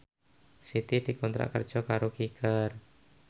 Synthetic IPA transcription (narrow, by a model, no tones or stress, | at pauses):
sit̪id̪̥i̤kɔnt̪ɾa̰ʔkərd̥ʒ̥ɔkaɾokikər